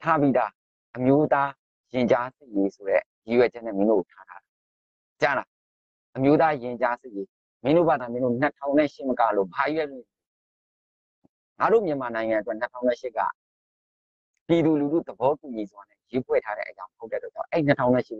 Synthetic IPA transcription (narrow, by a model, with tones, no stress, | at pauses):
tʰa˦pi˦d̪a˨ | ʔəmjo˦t̪a˦ | jɪ̃˨ɲt͡ɕa˦sɪ˦˨ʔje˦so˨ɾɛ̰˦˨ji˨wɛ˨d͡ʑɛ˦nɛ̰̃˦˨mɪ̃˦do̰˦˨o˨tʰa̰˦˨tʰa̰˦da˨ | t͡ɕa˦˨ɾa˨ | ʔəmjo˦t̪a˦jɪ̃˨ɲt͡ɕa˦sɪ˦˨je˦ | mɪ̃˦ndo̰˦˨ba˨d̪ã˨mɪ̃˦no̰˦˨n̥ə˨tʰã˦˨ʊ̃n̥ɛ̃˦˨ʃɪ˦˨məka˦lo̰˦˨ba˨i˨wɛ˦˨lʊ̃˦˨ | ŋa˨ɾo̰˦˨mjə˨ma˨nã˨ɪ̃ŋã˨ə˨t̬wɛ˦˨n̥ətʰã̰˦ʊ̃nɛ˦˨ʃɪ˦kːa̰˦˨ | pji˨d̪u˨lu˨du˦˨d̪əbɔ˦tu˨ɲi˨zwa˨nɛ̰˦˨je˨˦pʰwɛ̰˦˨tʰa˦ɾɛ̰˦ʔəjã˦məho˦tːɛ˦˨t̪wɛ˨ã̰˨ʔɛ˦i˦˨n̥ə˦tʰã˦ʊ̃nɛ̰̃˦˨ʃɪ˦